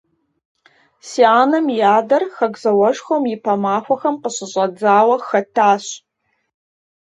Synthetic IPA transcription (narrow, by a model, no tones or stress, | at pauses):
siːaːnɐmjaːdɐrxɐɡzɐwɐʒxʷomɪpʰɐmaːxʷɐxɐmqəɕɪɕʼɐd͡zaːwɐxɐtʰːaːɕ